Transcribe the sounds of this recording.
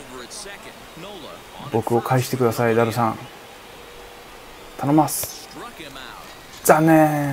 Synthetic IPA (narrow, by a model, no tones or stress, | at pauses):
bo̞kɯ̟o̞kʰaiɕi̥t̪e̞kɯd̪asaid̪aɾɯ̟sãŋ | t̪ʰanomasɨ̥ | zane